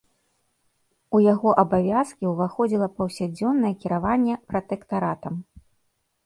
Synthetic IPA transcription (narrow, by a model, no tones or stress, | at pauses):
ujaɣɔʔɐbavʲaskʲiwvaxɔd͡zʲilˠɐpɐwsʲad͡zʲɔnːɐjɛkʲiɾavanʲːɛpɾɐt̪ɛkt̪aɾat̪ɐm